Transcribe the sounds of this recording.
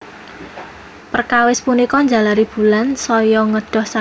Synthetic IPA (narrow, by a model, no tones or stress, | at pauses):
pərkawɪspunikɔɲd͡ʒa̤laɾib̥ṳlansɔjɔŋəɖ̥ɔ̤hsa